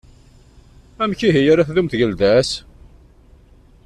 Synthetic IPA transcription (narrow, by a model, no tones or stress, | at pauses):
æmçiɦijaɾæθðumθʝəld̪æs